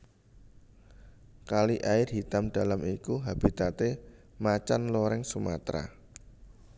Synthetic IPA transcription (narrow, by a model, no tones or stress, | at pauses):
kaliʔaɪrɦit̪amɖ̥a̤lamikuɦab̥it̪at̪e | mat͡ʃanloɾɛŋsuma̰t̪ɾa̰